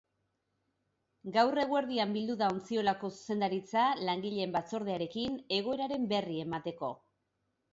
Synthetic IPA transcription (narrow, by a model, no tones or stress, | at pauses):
ɡawre̞ɣ̞we̞ɾðiambild̪uðao̞nt͡sio̞lako̞su̥se̞nd̪aɾit͡salaŋɡiʎe̞mbat͡so̞ɾð̞eaɾe̞kine̞ɣ̞o̞e̞ɾaɾe̞mbe̞rie̞mat̪e̞ko̞